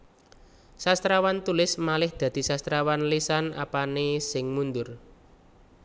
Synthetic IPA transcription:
sast̪ɾawant̪ulɪsmalɪhd̪̥ä̤d̪̥i̤sast̪ɾawanlisana̰panesɪŋmund̪ʊr

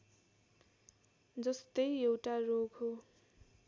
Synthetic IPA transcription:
d͡zʌst̪ʌjewʈaroɡɦo

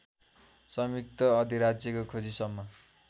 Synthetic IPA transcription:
sʌmjik̚t̪ʌʌd̪ʱiɾad͡zjʌkokʰod͡zisʌmːʌ

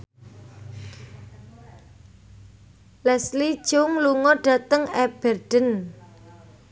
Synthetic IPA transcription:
lɛslid̥ʒ̥ʊŋluŋɔɖ̥ä̤t̪əŋɛb̥ɛrɖ̥ə̤n

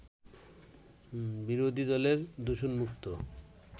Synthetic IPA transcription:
biɾod̪ʱid̪ɔleɾd̪uʃonmukt̪o

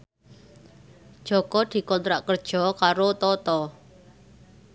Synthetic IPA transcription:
d̥ʒ̥ɔ̤kɔd̪̥i̤kɔnt̪ɾaʔkərd̥ʒ̥ɔ̤kaɾot̪ɔt̪ɔ

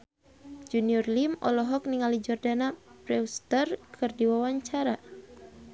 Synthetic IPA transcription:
d͡ʒuniɔrlimɔ̰lɔɦɔk̚niŋalid͡ʒɔrdanapɾɛust̪ərkʰɨrdiwawaɲt͡ʃaɾa

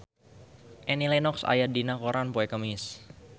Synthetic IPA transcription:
ʔɛnilɛnɔksa̰jadinakoɾʔanpoɛkəmɪs

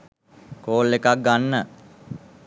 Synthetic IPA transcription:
koːlːekak̚ɡanːə

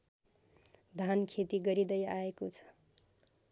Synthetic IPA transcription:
d̪ʱankʰet̪iɡʌɾid̪ʌjaekot͡sʰʌ̥

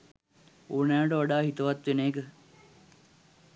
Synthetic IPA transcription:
oːnɛːəʈəʋaɖaːɦit̪əʋat̪ːʋeneːkə

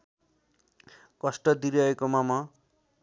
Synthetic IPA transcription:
kʌsʈʌd̪iɾiʌekomama

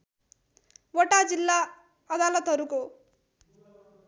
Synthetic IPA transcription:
ʋɔʈaːd͡ʒilːaː | ɐd̪aːlɐt̪ɐɾuko

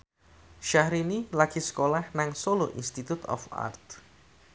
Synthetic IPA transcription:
ʃahɾinilaɡ̥isə̥kolahnaŋsoloʔḭnst̪it̪ut̪ɔ̰fa̰rt̪̚

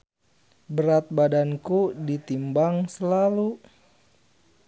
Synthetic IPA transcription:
bəɾat̪̚badankudit̪imbaŋsəlalu

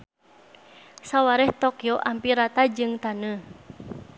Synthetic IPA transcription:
sawaɾɛht̪okioʔampiɾat̪ad͡ʒɨŋt̪anə

